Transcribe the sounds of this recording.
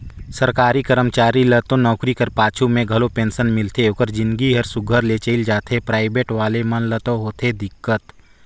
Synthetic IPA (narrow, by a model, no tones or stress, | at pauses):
səɾkaːɾikəɾəmt͡ʃaːɾilət̪õnɔːkɾikɐɾpaːt͡ʃʰumẽɡʱɐlopẽːnsənmɪlt̪ʰeoːkəɾd͡ʒɪ̃nɡiɦəɾsʊɡʱəɾlet͡ʃəɪld͡ʒaːt̪ʰepɾaːɪbeːʈʋaːlemənlət̪õɦoːt̪ʰed̪ɪkːət̪